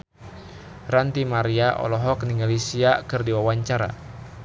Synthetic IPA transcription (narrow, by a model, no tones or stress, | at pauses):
rant̪imaɾiaʔɔ̰lɔɦɔkniŋɡalisiakɨrdiwawaɲt͡ʃaɾa̰